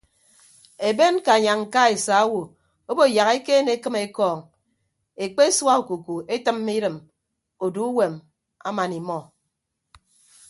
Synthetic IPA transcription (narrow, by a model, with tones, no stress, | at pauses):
e˨be˦nka˨ɲa˨ŋŋ̩˨ka˦e˨sa˨˦a˦wo˨ | o˦bo˦˨ja˨ɣe˦ke˦ne˨e˦kɨ˦me˨˦kɔː˦˨ŋ | e˨k͡pe˦e˦swa˦o˨ku˨ku˨e˦tɨ˦mː˦i˦ɾɨ˨m | o˨du˨˦u˦we˨m | a̰˦ma˨ni˨mɔ˨